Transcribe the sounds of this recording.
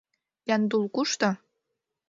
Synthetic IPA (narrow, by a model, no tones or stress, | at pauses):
jɑnd̪ulkuʃt̪ɤ